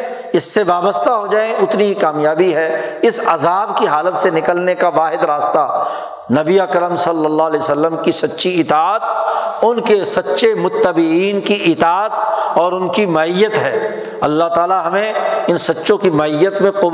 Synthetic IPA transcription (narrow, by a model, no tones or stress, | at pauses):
ɪsːeʋaːbəst̪aɦod͡ʒaːẽʔʊt̪niɦikaːmjaːbiɦɛːɪsɐzaːbkiɦaːlət̪senɪkəlnekaʋaːɦɪd̪ɾaːst̪a | nɐbiaːkəɾəmsɐlːəlːaɦlɛːosəlːəmkisɐtːʃiɪt̪aːt̪̚ʊnkesɐtːʃemʊt̪ːəbɪiːnkiʔɪt̪aːət̪̚ɔːɾʊnkimɐɪjːət̪ɦɛː | ɐlːaɦt̪aːlaɦɐmẽɪnsɐtːʃõkimɐɪjːət̪mẽqʊ